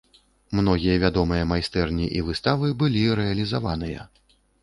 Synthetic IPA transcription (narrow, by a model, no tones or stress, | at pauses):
mnɔɣʲijɐvʲad̪ɔmɨjɐmajst̪ɛrnʲiʔivɨst̪avɨbɨlʲiɾɛɐlʲizavanɨjɐ̰